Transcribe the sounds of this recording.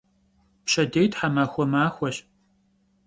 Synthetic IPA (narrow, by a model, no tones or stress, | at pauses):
pɕɐdejtħamaːxʷɔmaːxʷɔɕ